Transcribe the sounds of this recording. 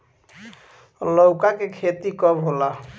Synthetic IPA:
lowkakekʰet̪ikɔbʱɦola

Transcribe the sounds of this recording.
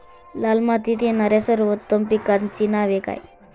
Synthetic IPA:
lalmat̪it̪enaɾasəɾʋət̪ːəmpikant͡ɕinaʋeka̰j

